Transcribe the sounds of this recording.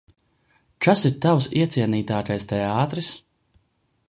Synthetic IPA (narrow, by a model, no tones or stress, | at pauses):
kasiɾt̪awsiɛt̪siɛniːt̪aːkajst̪ɛaːt̪ɾis